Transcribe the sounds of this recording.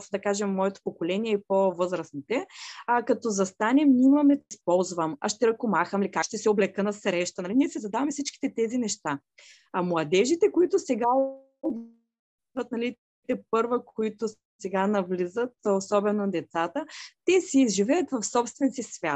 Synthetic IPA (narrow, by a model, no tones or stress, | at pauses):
sd̪ɐkaʒɛmːɔɛt̪o̥pokolɛniɛipovɤzɾəsnit̪ɛakɐt̪ɔzɐst̪anɛmnimɐmɛspɔlˠzvɐma̰ʃt̪ɛɾɐkomaxəmlikakʃt̪ɛsɛoblɛkənɐsɾɛʃt̪ɐnɐliniɛsizɐd̪avɐmɛfsit͡ʃki̥t̪ɛt̪ɛzinɛʃt̪a | ɐmlˠɐd̪ɛʒit̪ɛkoit̪ʊsɛɡa | ob | izvɐt̪̚nɐlit̪ | t̪ɛp̚ɤɾvəkʰoit̪ʊ | sɛɡanɐvlizət̪osɔbɛnod̪ɛt̪sat̪ət̪ɛsɛːzʒivɛjət̪vɐfsɔpst̪vɛnsisvʲjat̪̚